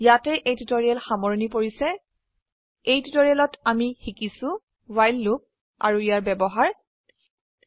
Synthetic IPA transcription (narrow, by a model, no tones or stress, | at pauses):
jatɛʔejtutoɹialxamɔɹnipoɹisɛ | ejtutoɹialɔtamixikisʊ̃ | wajlːuk̚ | a̰ɹuijaɹbɛbɔɦaɹ